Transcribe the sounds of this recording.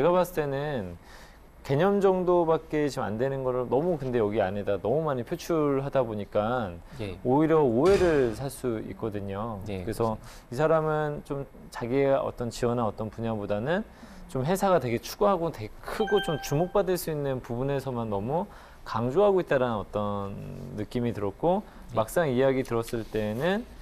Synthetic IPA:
t͡ɕeɡaβas͈ɯ̥t͈e̞nɯn | ke̞ɲʌmd͡ʑʌŋdobak̚k͈e̞t͡ɕima̰ndwe̞nɯnɡʌɾɭnʌmukɯnde̞jʌɡiaɲidanʌmumaɲipʰjot͡ɕʰuɭɦadaboɲik͈anoiɾjʌoe̞ɾɯɭsʰaɭs͈uḭk͈̚ʌdɯɲokɯɾesʰʌ | isʰaɾamɯnt͡ɕom | t͡ɕaɡieʌ̰t͈ʌnt͡ɕiwʌnaʌt͈ʌnpuɲabodanɯn | t͡ɕomɦe̞sʰaɡatwe̞ɡe̞t͡ɕʰuɡuɦaɡotwe̞ɡekʰɯɡot͡ɕomt͡ɕumok̚p͈adɯɭs͈uinːɯnpubune̞sʰʌmanːʌmu | kaŋd͡ʑoɦaɡoit̚t͈aɾanɯnʌt͈ʌnːɯk͈imitɯɾʌt̚k͈ʰo | mak̚s͈aŋijaɡitɯɾʌs͈ɯɭt͈e̞nɯn

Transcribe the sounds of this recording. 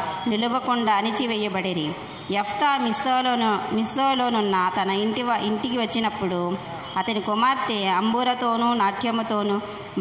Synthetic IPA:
niluʋɐkuɳɖaːɐnit͡ʃiʋɛːjɐbɐɽeɾi | jɐft̪aːmisoːlomisoːlo̞ːnunːɐt̪ɐnɐiɳʈiʋɐʔiɳʈikiʋɐt͡ʃːinɐpːuɽu | ɐt̪ɐnikumaːɾt̪eɐmbuːɾɐt̪o̞ːnunaːʈʰjɐmɐt̪o̞ːnu

